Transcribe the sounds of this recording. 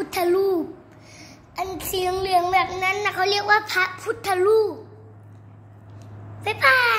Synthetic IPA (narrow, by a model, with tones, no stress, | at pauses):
u˧t̪ʰːa˧˨luː˧˩ | ʔa˨n˨tʰi˧˦˧ŋlɯ˧˩əŋbɛ˨˩p̚na˦˥nːa˧˩kʰa˧˩wli˥˨ək̚waː˧pʰa˧pʰu˧˦˥t̪ʰːa˧luː˥˩ | ba˧˦pa˧